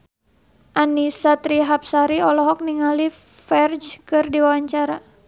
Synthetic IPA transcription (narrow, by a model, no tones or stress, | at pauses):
ʔanisat̪ɾiɦap̚saɾiɔlɔɦɔk̚niŋali | fɛrd͡ʒkɨrdiwawaɲt͡ʃaɾa